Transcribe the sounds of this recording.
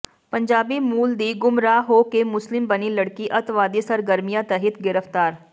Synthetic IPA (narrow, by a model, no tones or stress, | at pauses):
pə̃ɲd͡ʒaːbimuːld̪iːɡʊmɾaːɦoːkemʊslɪmbəniləɽkiʔɐt̪ʋaːd̪isəɾɡəɾmijãt̪əɦɪt̪ɡɪɾəft̪aːɾ